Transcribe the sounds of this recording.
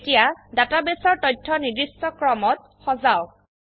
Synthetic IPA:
tijadatabesɔɹtɔjtʰːɔnidɹistɔkɹɔmɔt̚ | xɔzaw

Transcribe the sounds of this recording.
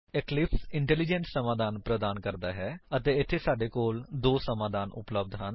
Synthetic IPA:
ɛklɪpʰsɪɳʈɛːlid͡ʒɛnssːəmaːd̪aːnpɾəd̪aːnkəɾd̪aːɦɛːət̪eːɪt̪ʰːeːsaːɖeːkoːld̪oːsəmaːd̪aːnʔʊ̰pləb̚d̪ɦən

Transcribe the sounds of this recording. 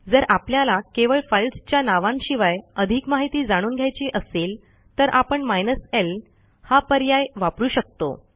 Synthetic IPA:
d͡zəɾapljalakeʋəɭfajlst͡ɕjanaʋãnɕiʋajəd̪ʱiːkmaɦit̪iːd͡zaɽ̃uːnɡʱjajt͡ɕiʔəseːl | t̪əɾʔapəɳmajnəsel | hapəɾjajʋapɾuːɕək̚t̪o̰

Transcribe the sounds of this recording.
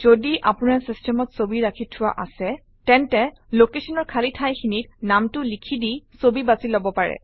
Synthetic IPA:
z̥odiʔa̰pʊnaɹsistʰɛmɔtsobiɹakʰitʰʊwa̰ʔasɛ | tɛntɛlokesɔnɔɹkʰalitʰajxinitnamtʊlikʰidisobibazilobɔpaɹɛ̰

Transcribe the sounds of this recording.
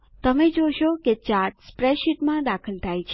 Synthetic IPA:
t̪əmed͡ʒoʃoket͡ʃaɾʈspɾeʃiʈmãd̪akʰəlt̪ʰajt͡ʃʰ

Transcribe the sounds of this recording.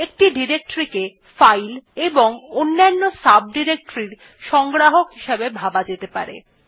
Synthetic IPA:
ek̚ʈiɖiɾek̚ʈoɾike | fajleboŋonːanːosab̚ɖiɾek̚ʈoɾiɾ | ʃɔŋɡɾaɦokɦiʃebebʱabad͡ʑet̪epa̰ɾḛ

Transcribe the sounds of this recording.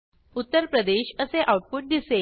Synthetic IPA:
ut̪ːəɾpɾəd̪eɕəseʔawʈ̚puʈ̚d̪ise

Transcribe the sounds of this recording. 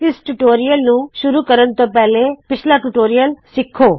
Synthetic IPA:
t̪ɪsʈʊʈoːɾɪjəlnũːʃʊɾuːkəɾənt̪õːpɛːleːpɪt͡ʃʰlaːʈʊʈoːɾɪjəlsɪkʰːoː

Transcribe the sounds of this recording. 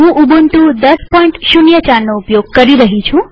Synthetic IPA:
ɦũʔubunt̪ũd̪əspɔĩɳʈʃunjət͡ʃaɾnoupjoɡ̚kəɾiɾəɦit͡ʃʰũ

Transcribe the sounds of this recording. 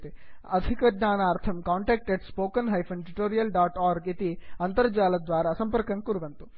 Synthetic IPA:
t̪eɐd̪ʱikɐɡ̪ɲaːnaːɾt̪ʰɐmkaːɳʈeːk̚ʈeɖspoːkɐnɦɐjpʰɐnʈiʈoːɾijɐlɖaːʈaːɾɡit̪iɐnt̪ɐɾd͡ʒaːlɐd̪ʋaːɾɐsɐmpɐɾkɐŋkuɾuʋɐnt̪u

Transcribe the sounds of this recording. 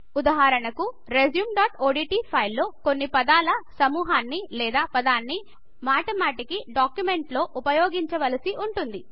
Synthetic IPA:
ud̪aɦaːɾɐɳɐku | ɾezjuːmɖaːʈoːɖiːʈiːpʰɐjlːo̞ːko̞nːipɐd̪aːlɐsɐmuːɦaːnːilɛːd̪aːpɐd̪aːnːi | maːʈɐmaːʈikiɖaːkjume̞ɳʈlo̞ːʔupɐjoːɡiɲt͡ʃɐʋɐlɐsiʔuɳʈund̪i

